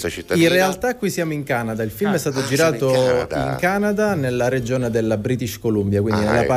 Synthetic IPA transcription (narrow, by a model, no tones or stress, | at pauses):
inrealt̪akːwisːjaːmoiŋkaːnad̪ailfilmɛst̪aːt̪od͡ʒiɾaːt̪oiŋkaːnad̪anelːaɾed͡ʒoːned̪elːabɾiːt̪it͡ʃkolumbjakwind̪inelːapa